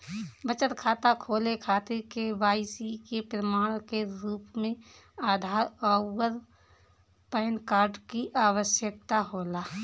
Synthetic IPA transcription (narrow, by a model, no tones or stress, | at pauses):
bət͡ʃət̪kʰaːt̪akʰoːlekʰaːt̪ekeʋaːɪsikepɾəmaːɽ̃keɾuːpmẽ | aːd̪ʱaːɾɔːwəɾ | pɛːnkaːɾɖkiʔaːwəʃjək̚t̪aɦoːlaː